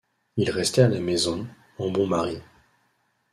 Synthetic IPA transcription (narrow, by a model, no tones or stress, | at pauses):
ilʁɛst̪ɛalamezɔ̃ | ɑ̃bɔ̃maʁi